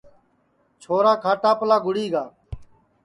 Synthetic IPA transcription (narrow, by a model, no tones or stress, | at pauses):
t͡ʃʰoːɾaːkʰaːʈaːpəlaːɡʊɽiːɡaː